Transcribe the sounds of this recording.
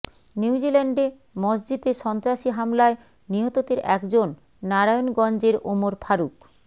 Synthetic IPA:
niud͡ʑilɛɳɖe | mɔd͡ʑd͡ʑid̪eɾʃɔnt̪ɾaʃiɦamlae | niɦot̪ot̪eɾɛkd͡ʑonː | aɾajonɡɔnd͡ʑeɾomoɾpʰaɾuk

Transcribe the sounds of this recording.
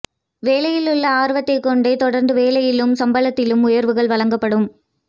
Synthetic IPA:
ʋeːlɐjɪlʊɭːɐaːɾʋɐt̪ːɐɪkːɔɳɖɐɪt̪ɔɽɐɾnd̪ɯʋeːlɐjɪlɯmsɐmbɐlɐt̪ːɪlɯmʊjɐɾʋɯɣɐɭʋɐɭɐŋɡɐpːɐɽɯm

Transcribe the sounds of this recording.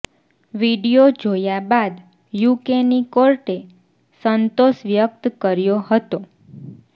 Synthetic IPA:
ʋiɖijod͡ʒojabad̪ | jukenikoɾʈe | sənt̪oʃʋjəkt̪kəɾjohət̪o

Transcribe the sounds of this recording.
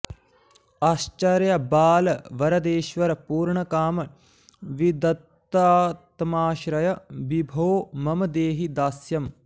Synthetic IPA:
aːst͡ʃɐɾjɐbaːlɐʋɐɾɐd̪eːʃʋɐɾɐpuːɾɳɐkaːmɐ | ʋid̪ɐt̪ː | aːt̪maːʃɾɐjɐʋibʱoːmɐmɐd̪eːɦid̪aːsjɐm

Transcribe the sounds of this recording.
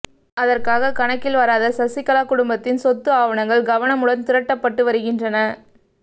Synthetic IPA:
ɐðɐrkaːɣɐkɐɳɐkːɪlʋɐɾaːðɐsɐsɪkːɐlaːkʊɽʊmbɐt̪ːɪnsɔt̪ːɯaːʋɐɳɐŋɡɐɭɡɐʋɐɳɐmʊɽɐnt̪ɪɾɐʈːɐpːɐʈːɯʋɐɾɯɣɪndrɐnɐ

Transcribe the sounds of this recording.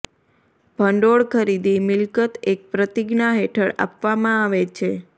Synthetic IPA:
bʱəɳɖoɭkʰəɾid̪imɪlkət̪ek̚pɾət̪iɡnaɦeʈʰəɭa̰pʋamãaʋet͡ʃʰe

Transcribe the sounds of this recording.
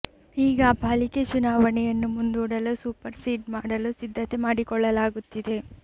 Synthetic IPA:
iːɡɐːbʱaːliket͡ʃunaːʋɐɳɛjɐnːumund̪uːɽɐlusuːpɐɾsiːʈmaːɽɐlusid̪ʱːɐt̪e̞maːɽikɔɭːɐlaːɡut̪ːid̪e̞

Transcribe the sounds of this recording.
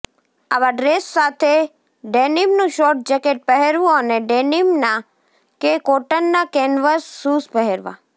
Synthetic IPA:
aʋaɖɾesːat̪ʰe | ɖenimnũʃoʈ̚d͡ʒəkeʈ̚pəɦeɾʋũəneɖenimna | kekoʈənːakenʋəsːuspəɦeɾʋa̰

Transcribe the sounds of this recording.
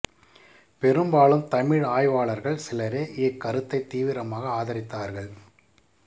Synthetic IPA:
pɛɾɯmbaːlɯmt̪ɐmɪɻaːjʋaːɭɐɾɣɐɭsɪlɐɾeːʔekːɐɾɯt̪ːɐɪt̪ːiːʋɪɾɐmaːɣɐaːðɐɾɪt̪ːaːɾɣɐɭ

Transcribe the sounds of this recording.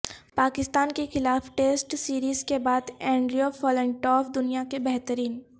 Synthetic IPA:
paːkɪst̪aːnkexɪlaːfʈeːsʈsiːɾiːzkebaːd̪ɛ̃ːɳɖɾijofɔːlɛ̃ːɳʈɔːfd̪ʊnijakebɛɦt̪əɾiːn

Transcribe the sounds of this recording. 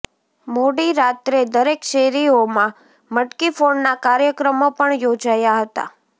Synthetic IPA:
moɽiɾat̪ɾed̪əɾekʃeɾiomã | məʈkifonːakaɾjəkɾəmopəɳjod͡ʒajaɦət̪a̰

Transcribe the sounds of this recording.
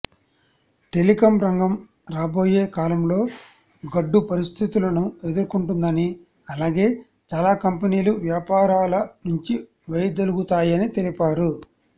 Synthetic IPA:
ʈe̞likɐmɾɐŋɡɐm | ɾaːbo̞ːjeːkaːlɐmlo̞ː | ɡɐɖːupɐɾist̪ʰit̪ulɐnue̞d̪uɾkuɳʈund̪ɐni | ɐlaːɡe̞ː | t͡ʃaːlaːkɐmpeniːluʋjaːpaːɾaːlɐnuɲt͡ʃi | ʋɐjd̪ɐluɡut̪aːjɐnit̪e̞lipaːɾu

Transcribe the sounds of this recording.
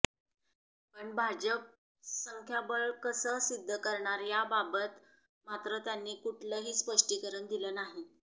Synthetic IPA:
pəɳbʱad͡ʑəp̚ | səŋkʰjabəɭkəsəːsid̪ʱːəkəɾɳaɾjababət̪ | mat̪ɾət̪janːiːkuʈʰləɦiːspəʂʈikəɾəɳd̪iləːnaɦi

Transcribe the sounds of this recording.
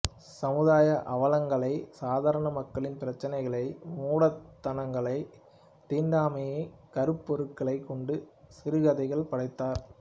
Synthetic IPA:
sɐmɯðaːjɐʔɐʋɐlɐŋɡɐɭɐɪsaːðaːɾɐɳɐmɐkːɐɭɪnpɪɾɐt͡ʃːɐnɐɪɣɐɭɐɪmuːɽɐt̪ːɐnɐŋɡɐɭɐɪ | t̪iːɳɖaːmejekɐɾɯpːɔɾɯkːɐɭɐɪkːɔɳɖɯsɪɾɯɣɐðɐɪɣɐɭpɐɽɐɪt̪ːaːɾ

